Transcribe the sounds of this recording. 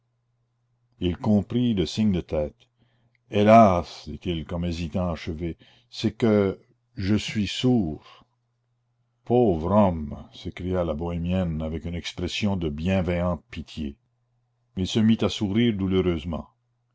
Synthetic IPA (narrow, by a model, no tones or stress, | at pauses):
ilkɔ̃pɾiləsiɲd̪ət̪ʰɛːt̪ | elasd̪it̪ilkɔmezit̪ɑ̃aʃəve | sɛkə | ʒəsɥisuːʁ | pʰoːvɾɔmsekɾijalabɔɛmjɛnavɛkynɛkspɾɛsjɔ̃d̪əbjɛ̃vɛjɑ̃t̪̚pit̪ʰje | mɛilsəmit̪asuɾiːʁd̪uløɾøːzmɑ̰̃